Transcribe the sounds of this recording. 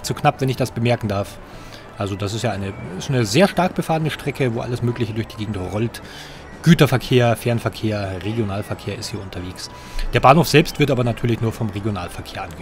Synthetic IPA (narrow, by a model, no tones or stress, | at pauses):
tt͡suknapv̥ɛnɪçd̥asb̥əmɛɐkŋ̩daɐf | ʔalzodasɪstjaːʔaɪnəɪstanəzeːɐʃtaɐk̚b̥əfaːənəʃtʁ̥ɛkəvoːʔa̰ləsmøːklɪçədʊɐçd̥iːɡeːɡŋ̩tʁɔlt | ɡ̥yːtɐfɛɐkʰeːɐfɛɐnfɛɐkʰeːɐʁeɡjonaːlfɛɐkʰeːɐɪ̰sthiːɐʔʊntʰɐveːks | d̥eːɐbaːnhoːfz̥ɛlpstv̥ɪɐtʔaːbɐnatʰyːɐlɪçnuːɐfɔmʁeɡjona̰ːlfɛɐkʰeːɐʔanɡ